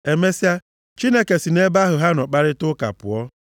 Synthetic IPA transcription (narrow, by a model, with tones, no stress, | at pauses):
e˨me˦si˦a˦ | t͡ʃi˦ne˦ke˨si˨ne˦ba˦ɦʊ˨ɦa˦nɔ˨k͡pa˦ɾɪ˦tʊ˦ka̰˨pʊ̰˨ɔ˦